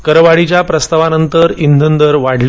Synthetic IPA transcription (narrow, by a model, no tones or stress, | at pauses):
kəɾʋaɽit͡ɕjapɾəst̪aʋanənt̪əɾind̪ʱənd̪əɾʋaɽl